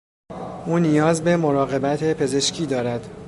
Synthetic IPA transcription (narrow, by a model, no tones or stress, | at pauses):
ʔuːnijɒːzbe̞mo̞ɾɒːɣe̞bæt̪ʰe̞pʰe̞ze̞ʃcʰiːd̪ɒːɾæd̪̥